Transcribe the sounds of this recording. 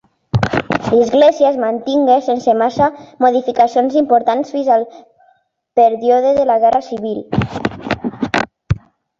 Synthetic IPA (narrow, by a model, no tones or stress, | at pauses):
lizɣleziəezmant̪iŋɡesensemasamoðifikasionzimpoɾt̪ansfinzalˠ | peɾjoðeðelaɣɛrasiβ̞il